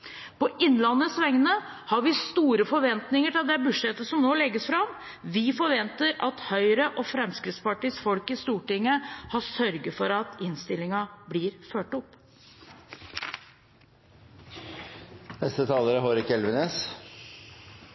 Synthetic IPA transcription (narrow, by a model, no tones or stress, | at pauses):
pɔʔɪnlɑnːəsʋɛŋnə | hɑɾʋɪst̪uːɾəfɔɾʋɛnt̪nɪŋəʈɪld̪ɛbʉʂɛt̪ːəsɔmnoːlɛɡːəsfɾɑm | ʋɪfɔɾʋɛnt̪əɾɑt̪hœʏɾəʔɔfɾɛmskɾɪt̪spɑʈiːsfɔlkɪst̪uːʈɪŋːəhɑsœɾɡəfɔɾɑt̪ɪnst̪ɪlɪŋɑblɪːɾføːʈɔpː | nɛst̪ət̪ʰɑːləɾəɦoːɾɪkːɛlʋəneːs